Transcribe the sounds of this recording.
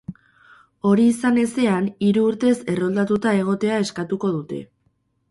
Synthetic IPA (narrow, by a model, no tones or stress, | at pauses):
o̞ɾiːsane̞se̞aniɾuːɾt̪e̞se̞ro̞ld̪at̪ut̪ae̞ɣ̞o̞t̪e̞ae̞skat̪uko̞ðut̪e̞̰